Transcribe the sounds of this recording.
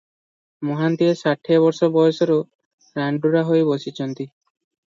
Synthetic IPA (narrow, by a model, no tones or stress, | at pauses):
mɔɦant̪iesaʈʰeβɔɾsɔbɔjɔsɔɾo | ɾaɳɖuɾaɦojbosit͡ʃʰɔnt̪i